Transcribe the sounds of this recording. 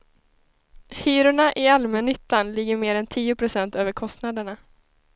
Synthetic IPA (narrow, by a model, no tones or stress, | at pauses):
hyːɾʊɳaʔɪalmɛnːʏt̪ːanlɪɡːəɾmeːɾɛnt̪ʰiːʊpʰɾʊsɛnt̪øːvəɾkʰɔst̪nad̪əɳa